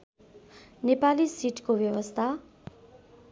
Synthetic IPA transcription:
nepalisiʈkobjʌwʌst̪ʰa

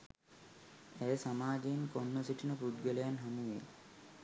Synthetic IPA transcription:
esamaːd͡ʒenkɔnːosiʈʰinɐpɾud̪ɡɔlejanɦamuḛ

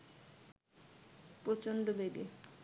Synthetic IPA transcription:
pɾot͡ɕonɖobeɡe

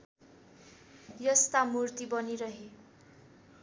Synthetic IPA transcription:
jʌst̪amurt̪ibʌniɾʌɦe

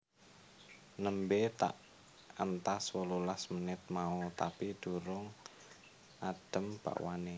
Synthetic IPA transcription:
nəmbet̪a̰ʔ | ənt̪aswəlulasmənɪt̪̚maut̪apid̪̥uɾʊŋ | ʔaɖ̥ə̤mb̥a̰ʔwane

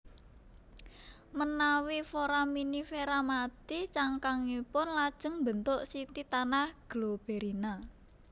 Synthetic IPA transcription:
mənawifoɾaminifeɾamat̪it͡ʃaŋkaŋipʊnlad̥ʒ̥ə̤ŋmbənt̪ʊʔsit̪it̪anahɡ̥lob̥eɾina

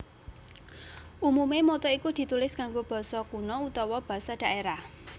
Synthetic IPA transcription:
ʔumumemot̪ɔikud̪̥i̤t̪ulɪskaŋɡob̥ɔ̤sɔkunɔut̪ɔwɔb̥a̤sad̥a̤ʔeɾah

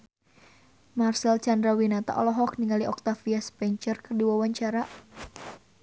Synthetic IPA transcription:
marsɛlt͡ʃandɾawinat̪a̰ʔɔlɔɦɔk̚niŋaliʔɔk̚t̪afiaspɛɲt͡ʃərkərdiwawaɲt͡ʃaɾa

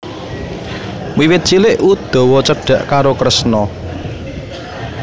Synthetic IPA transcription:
wiwɪt̪̚t͡ʃilɪʔud̪̥ɔ̤wɔt͡ʃəɖ̥ä̤ʔkaɾokɾəsnɔ

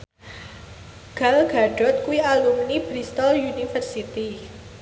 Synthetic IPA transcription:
ɡ̥alɡ̥aɖ̥ɔt̪̚kuialumnibɾist̪ɔljunifərsit̪i

